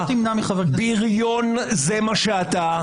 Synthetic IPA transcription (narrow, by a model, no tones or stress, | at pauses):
t̪imnamiχavebiʁjon | zemaʃeat̪a